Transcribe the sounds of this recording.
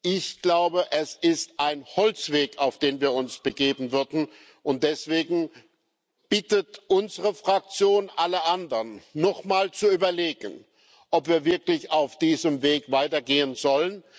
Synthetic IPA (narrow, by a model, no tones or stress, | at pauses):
ʔɪçɡ̥laʊbəʔɛsɪstʔaɪnhɔlt͡sv̥eːkaʊfd̥eːnviːɐʊnsb̥əɡeːbm̩vʏɐdn̩ | ʔʊnt̚d̥ɛsv̥eːɡŋ̩ | b̥ɪtətʔʊnzəʁəfʁ̥ak̚t͡sjoːnʔaləʔandɐnːɔχmaːlt͡suyːbɐleːɡən | ʔɔpv̥iːɐvɪɐklɪçaʊfd̥iːzəmveːkvaɪtɐɡeːənzɔlən